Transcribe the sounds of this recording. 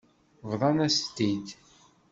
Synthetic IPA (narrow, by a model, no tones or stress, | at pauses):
vðˤɑnæst̪ːid̪